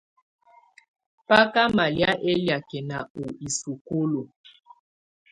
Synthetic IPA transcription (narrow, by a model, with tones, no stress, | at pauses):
pa˦ka˦ma˨lja˦ʔe˦lja˨kɛ˨na˨u˨i˨su˨ku˦lo˨